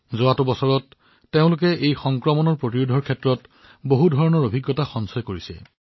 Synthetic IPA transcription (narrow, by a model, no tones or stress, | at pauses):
zoatʊbɔsɔɹɔtː | eʊ̃lʊk̬ɛʔejxɔŋkɹɔmɔnɔɹpɹot̬iɹudʱɔɹkʰɛtɹɔt | boɦudʱɔɹɔnɔɹobʱiɡːɔtaxɔnsɔjkoɹisɛ̰